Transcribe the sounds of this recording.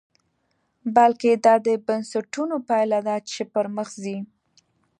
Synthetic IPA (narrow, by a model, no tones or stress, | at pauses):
balked̪ɑd̪əbansaʈunopajlad̪at͡ʃepəɾməxzi